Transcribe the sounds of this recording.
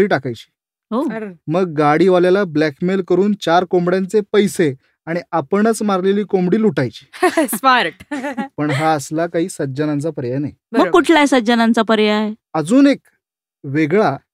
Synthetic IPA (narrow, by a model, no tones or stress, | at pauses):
iːʈakajt͡ɕi̥ː | ɦoməɡːaɽiːʋaljalablækmelkəɾuːnt͡ɕaɾkombɽjãnt͡sepəjse | aɽ̃iapəɳət͡smaɾleliːkomɽiːluʈajt͡ɕi̥ːsmaɾʈpəɳɦaəslakaɦiːsəd͡ʑənant͡sapəɾjanaj | bəməkːuʈʰlaesəd͡ʑənãnt͡sapəɾjaɦeəd͡zuːnek | ʋeɡɭa